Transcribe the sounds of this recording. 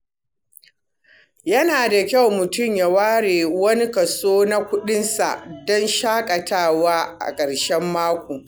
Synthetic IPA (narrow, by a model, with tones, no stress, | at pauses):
jɐ˦naː˨da˨kʲa˦˨wmʊ˨tʊ˦˨mja˨waː˦ɽeː˨wɐ˦ni˦kɐ˨soː˦na˦kʷʊ˦ɗɪ˦nsa̰˨ʔdɔ˦nʃaː˦kʼɐ˨taː˦˨waː˦ʔa̰˨kʼɐ˨ɽʃɛ˦mːaː˦kʷoː˨